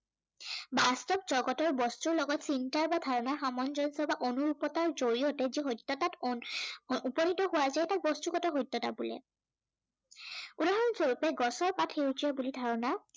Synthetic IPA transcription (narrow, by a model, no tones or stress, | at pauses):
bastɔp̚z̥ɔɡɔtɔɹbɔstuɹlɔɡɔtsintaɹbadʱaɹɔnaɹxamɔnzɔnsɔbaʔonuɹupɔtaɹzoɹiɔtɛziɦojtːɔtat | upɔnitɔɦʊwazaɛtak̚bɔstuɡɔtɔɦojtːɔta̰bulɛ̰ | udaɦɔnzoɹupɛɡɔsɔɹpatʰeuzijɔbulidʱaɹɔna